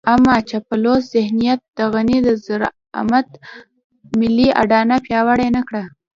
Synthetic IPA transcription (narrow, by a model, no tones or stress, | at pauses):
amɑt͡ʃapaloszɪhnijat̪̚d̪əɣanid̪əzəɾ | a̰mat̪ | mɪlːia̰ɖɑnapjɑwaɽajnakɽa